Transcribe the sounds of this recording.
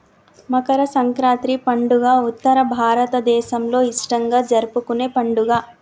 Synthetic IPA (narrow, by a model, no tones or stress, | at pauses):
mɐkɐɾɐsɐŋkɾaːnt̪ɾipɐɳɖuɡaːut̪ːɐɾɐbʱaːɾɐt̪ɐd̪ɛːʃɐmlo̞ːiʂʈɐŋɡaːd͡ʒɐɾupukuneːpɐɳɖuɡaː